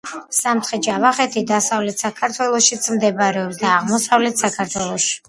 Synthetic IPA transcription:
samt̪ʰχɛd͡ʒavaχɛt̪ʰid̪asavlɛt̪ʰsakʰaɾt̪ʰwɛlˠɔʃit̪sʰmd̪ɛbaɾɛɔbsd̪aːʁmɔsavlɛt̪ʰsakʰaɾt̪ʰwɛlˠɔʃi̥

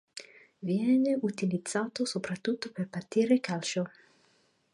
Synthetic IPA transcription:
vjɛːneut̪ilid̪z̥ːaːt̪osopɾat̪ːut̪ːoperpat̪ːiːɾekalt͡ʃo

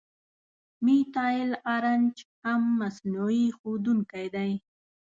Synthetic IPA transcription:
mit̪ɑjɪlaɾand͡ʒhamːasnuixod̪uŋkajd̪aj

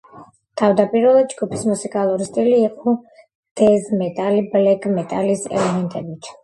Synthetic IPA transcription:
t̪ʰavd̪apʼiɾɛlˠad̪d͡ʒɡupʰi̥smusikʼalˠuɾist̪ʼiliːqʼɔ | d̪̥ɛzmɛt̪ʼaliblɛɡʼmɛt̪ʼalisɛ̰lɛmɛnt̪ʼɛbit̪ʰ

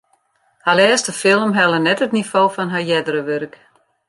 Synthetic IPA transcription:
halɛːstəfɪlˠmɦɛlˠənɛtətnifoːfɔnɦajɛdəɾəʋørk

